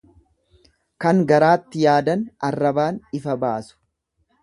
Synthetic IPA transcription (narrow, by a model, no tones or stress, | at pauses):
kɐŋɡɐɾaːt̪ːɪjaːd̪ɐnɐrːɐbaːnɪfɐbaːsʊ̥